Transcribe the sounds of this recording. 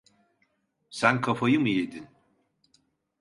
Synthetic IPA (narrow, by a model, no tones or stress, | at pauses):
sænkʰafajɯmɯjed̪in